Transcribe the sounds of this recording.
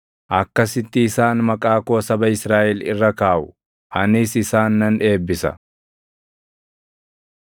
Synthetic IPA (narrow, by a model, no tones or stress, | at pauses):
ʔɐkːɐsɪt̪ːɪːsaːnmɐkʼaːkoːsɐbɐɪsɾaːʔɛlɪ̰rːɐkaːʔʊ | ʔɐnɪsɪsaːnːɐnᶑe̞ːbːɪsɐ̰